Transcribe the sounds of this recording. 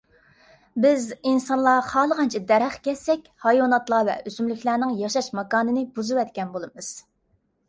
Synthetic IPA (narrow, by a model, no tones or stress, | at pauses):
bɪzinsɑnlˠɑχɑːlˠəʁɑnt͡ʃʰid̪æɾæχkʲɛsːɛkʲhɑjwɑnɑt̪lˠɑvɛ̰ʔøzymlykʲlæːnɪŋjɑʃɑʃmɑkɑːnɨnɨbuzɨwɛt̪kʲɛnbolˠɨmɨz̥